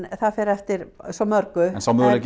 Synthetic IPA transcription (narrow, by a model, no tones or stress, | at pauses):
θaðfɛɾɛft̪ɪɾsɔmœɾkʏnsɔmʏðɾəɡ